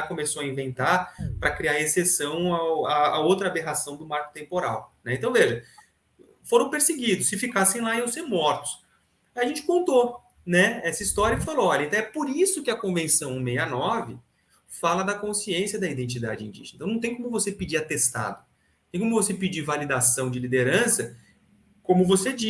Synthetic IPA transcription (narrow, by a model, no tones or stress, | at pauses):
akomesoɐĩvẽnt̪aɾpɾɐkɾiaɾesesɐ̃w̃aaaowt̪ɾɐabeɦasɐ̃w̃d̪ʊmaɾkʊ̥t̪ẽmpoɾa̰wnɛẽt̪ɐ̃w̃veʒɐ | foɾɐ̃w̃peɾseɡid̪ʊsːɪfikasẽj̃laiewseɾmɔɾt̪ʊ̥s | iaʒẽnt͡ʃɪ̥kõnt̪o | nɛɛsɐist̪ɔɾjɐɪfaloɔʎɐẽt̪ɐ̃w̃ɛpoɾisʊkɪɐkõvẽsɐ̃w̃ũmejanɔvɪ | falɐd̪ɐkõsiẽsiɐd̪ɐid̪ẽnt͡ʃid̪a̰d͡ʒɪĩd͡ʒḭʒenɐ̃t̪ɐ̃ñt̪ẽj̃kõmʊvosepid͡ʒiɾat̪est̪a̰d̪ʊ̃ | t̪ẽj̃kõmʊvosepɪd͡ʒiɾvalid̪asɐ̃w̃d͡ʒɪlid̪eɾɐ̃sɐ | kõmʊvosed͡ʒi